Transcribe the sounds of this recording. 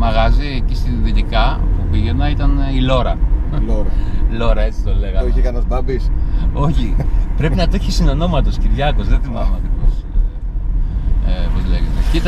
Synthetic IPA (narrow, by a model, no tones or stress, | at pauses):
mɐɣɐzicist̪iðit̪ikɐpupiʝe̞nɐit̪ɐnilo̞ɾɐloɾɐlo̞ɾɐe̞t͡si̥t̪oleɣɐekɐnospɐbisoçipɾe̞pinɐt̪oçisino̞no̞mɐt̪o̞sciɾʝɐkozðet̪imɐmɐt̪ikos | epozleʝet̪ecit̪ɐ